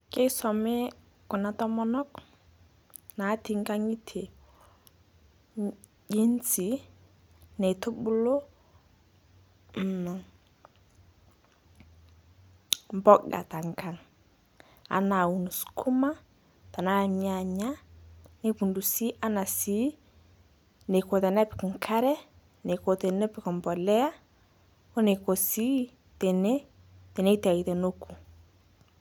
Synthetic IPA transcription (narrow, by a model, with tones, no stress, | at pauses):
ke˦sɔ˨me˦ | kɔ˨na˨tɔ˦mɔ˦nɔ˦k | na˨˦ti˨ŋka˦ŋi˦tʰe˨ | ɟe˦nt͡si˨˦ | ne˨to˦bu˦lo˦˨ | mbɔ˦ɡa̰˨ta˨ŋka˨ŋ | a̰˦na˨u˨nu˨su̥˨kʰu˦ma˦ | ta˨na˦˨ɲa˦˨ɲa˦ne˦pu˨ndu˨si˦ʔa˦na˨si˦ | ne˨ko˨t̪a˨na˦pɪ̥˨kŋkʰa˦ɾɛ˦ | ne˨ko˨te˨ne˦pɪ˨kɔ˨mbɔ˨lɛ˦a˦ | ko˦ne˨ko˨si˦ | te˨ne˦ | te˨ne˦ta˨i˨te˨no˦kʰu˨